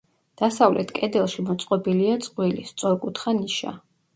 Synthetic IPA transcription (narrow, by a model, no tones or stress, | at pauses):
d̪̥asavlɛ̰t̪ʰkʼɛd̪ɛlˠʃimɔt̪sʼqʼɔbiliat̪sʼqʼwilist̪sʼɔɾkʼut̪ʰχaniʃa̰